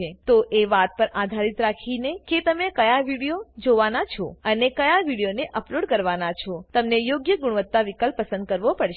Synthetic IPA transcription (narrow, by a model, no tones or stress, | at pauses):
et̪oʔeʋat̪̚pəɾad̪ʱaɾit̪ɾakʰineket̪əmekəjaʋiɽijod͡ʒoʋanat͡ʃʰoənekəjaʋiɽijoneʔəploɽkəɾʋanat͡ʃʰot̪əmnejoɡjəɡʊɽʋət̪ːaʋikəlpːəsə̃nd̪̚kəɾʋopəɽʃ